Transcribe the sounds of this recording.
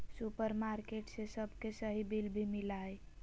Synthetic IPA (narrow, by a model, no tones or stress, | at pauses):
supəɾmaɾkeʈsesəbʱkesəɦibilbʱimilae